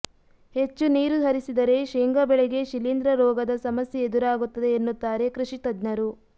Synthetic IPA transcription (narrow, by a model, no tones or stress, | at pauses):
he̞t͡ʃːuniːɾud̪ʱɐɾisid̪ɐɾe̞ʃeːŋɡɐbɛɭeɡe̞ʃilind̪ɾɐɾɔːɡɐd̪ɐsɐmɐsjeːd̪uɾaːɡut̪ːɐd̪e̞ːnːut̪ːaːɾe̞kɾuʃit̪ɐd̪nɐɾu